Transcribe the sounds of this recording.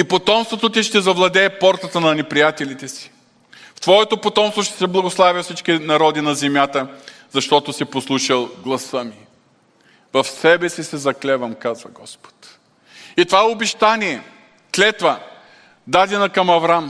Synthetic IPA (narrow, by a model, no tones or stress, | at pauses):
ipot̪ɔmst̪vot̪ot̪̬ʲiʃt̪ɛzɐvlˠɐd̪ɛːpɔɾt̪ɐt̪ənɐnɛpɾijat̪ɛlit̪ɛsi̥ | ft̪vɔɛt̪opot̪ɔmst̪voʃt̪ɛ̥sɛblˠɐɡoslˠavjɐfsit͡ʃkinɐɾɔd̪inɐzɛmʲjat̪əzɐʃt̪ɔt̪osiposlˠuʃɐlˠɡlˠɐsəmi | vɐfsɛbɛsisɛzɐklɛvɐmkazvɐɡɔspo̥t̪ | it̪ovaɛobɛʃt̪aniɛ | klɛt̪vɐ | d̪ad̪ɛnɐkɐmɐvɾam